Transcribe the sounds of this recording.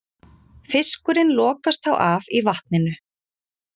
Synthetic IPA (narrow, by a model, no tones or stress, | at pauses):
fɪskʏɾɪnlɔːkast̪θa̰wʔavivaht̪̚nɪnʏ